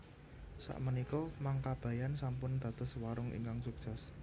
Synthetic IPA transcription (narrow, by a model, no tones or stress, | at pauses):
sa̰ʔmənikɔmaŋkab̥ä̤jansampʊnd̪̥ä̤d̪̥ə̤swaɾʊŋʔḭŋkaŋsuk̚sas